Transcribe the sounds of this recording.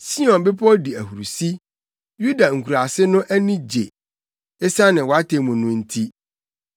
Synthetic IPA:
si˦ɔ̃˨nbɪ˦pʰɔ˦di˨æ˨hu˨ɾu˨si˦ | ju˦da˨ŋ̩˨kʰu˨ɾa˨sɪ˦nʊ̃˦ʔæ˦nĩ˦d͡ʑḛ˨ | e˦sa˦nɪ̃˨wɔ˨˦a˦tʰe˨mʊ̃˨nʊ̃˦n̩˦tʰi˦

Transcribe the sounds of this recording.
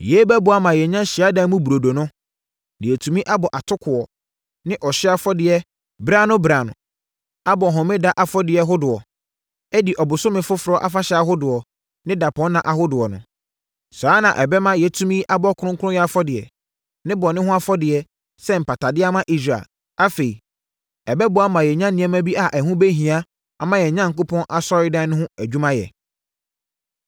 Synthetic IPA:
jɛ˨˦bɛ˦bʊ˨˦a˦mã˨jɛ˨ɲã˦ɕɪ˨a˦dã˦mũ˦bu˨ɾo˨do˨nʊ̃˦ | dɪ̃˨ɛ˨tʰũ˨mĩ˦ʔa˦bɔ˨ʔa˨tʰʊ˦kʰʊ˨ɔ˨ | nɪ̃˦ʔɔ˨ɕɪ˦a˦fɔ˦dɪ˨ɛ˦ | bɾa˦nʊ̃˦bɾa˨nʊ̰̃˨ | a˦bɔ˨ɦʊ̃˨mɪ̃˦da˨ʔa˨fɔ˦dɪ˨ɛ˨ɦʊ˦dʊ˨ɔ˨ | ɛ˦di˨ʔɔ˨bʊ˨sʊ˦mɪ̃˨fʊ˦fʊ˨ɾɔ˦ʔa˦fa˦ɕɛ˨˦a˨ɦʊ˦dʊ˨ɔ˨ | nɪ̃˦da˨pʰɔ̃˦n˦nã˨ʔa˨ɦʊ˦dʊ˨ɔ˨nʊ̰̃˨ | saː˨˦nã˨ʔɛ˨bɛ˦mã˦jɛ˨tʰũ˦mĩ˦ʔa˦bɔ˦kʰʊ˦ɾʊ̃˦ŋ˦kʰʊ˦ʊ̃˦jɛ˨a˨fɔ˦dɪ˨ɛ̰˨ | nɪ̃˦bɔ˨nɪ̃˦ɦʊ̃˦a˦fɔ˦dɪ˨ɛ˨ | sɛ˦m̩˨pa˨ta˨dɪ˦a˦mã˦ʔi˦s̬ɾa̰˨l | a˦fe˨i˨ | ɛ˨bɛ˦bʊ˨˦a˦mã˨jɛ˨ɲã˦nːɪ̃˨˦ɛ̃˦mã˦bi˦a˨ʔɛ˨ɦʊ̃˦be˦ɦĩ˨a˦ | a˨mã˦jɛ˨ɲã˦ŋ̩˨kʊ˦pʰɔ̃˦nʔa˨sɔ˦ɾɪ˦dã˦nʊ̃˦ɦʊ̃˦æ˨d͡ʑᶣu˦mã˦jɛ̰˨

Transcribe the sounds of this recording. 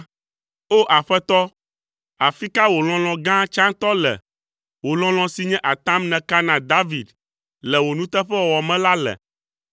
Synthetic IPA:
o˦ʔa˨ɸɛ˦t̪ɔ˦ | a˨fi˦ka˦wo˨l̃ɔ̃˦l̃ɔ̃˨ɡã˦t͡ʃã˦ŋt̪ɔ˦lɛ̰˨ | wo˨l̃ɔ̃˦l̃ɔ̃˨si˨ɲɛ̃˦ʔa˨t̪ã˦mnɛ̃˨ka˦nã˨d̪a˦vi˨d̪ | lɛ˨wo˨nũ˦t̪ɛ˦ɸɛ˦wo˨wɔ˨mɛ̃˦la˦lɛ̰˨

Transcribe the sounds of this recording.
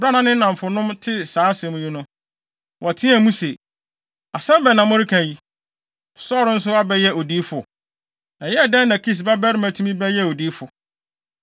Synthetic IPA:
bɾa˦nã˨nɪ̃˦nã˨m˨fʊ˨nʊ̃˦mtʰɪ˦saː˨˦sɛ̃˨mũ˦ji˦nʊ̃˦ | wʔɔ˨tʰɪ̃˦a˨mũ˦se˨ | a˨sɛ̃˦mbɛ˨nã˨mʊ̃˦ɾɪ˦kʰã˨ji˦ | sɔ˦ɾʊ˦n̩˦s̬ʊ˦a˦bɛ˦jɛ˦o˨diː˨˦fʊ˨ | ɛ˨jɛ˦˨dɛ̃˦nː˦ã˨kʰi˦˨s̬ba˦bɛ˦ɾɪ˦mæ˨tʰũ˦mĩ˦bɛ˦jɛ˦o˨diː˦fʊ˨

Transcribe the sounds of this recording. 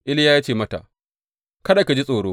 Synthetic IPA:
ʔɪ˦lja˦jaː˦t͡ʃeː˦˨mɐ˦ta̰˨ʔ | kɐ˦da˨ka˨d͡ʒi˦sʼoː˨ɽoː˦

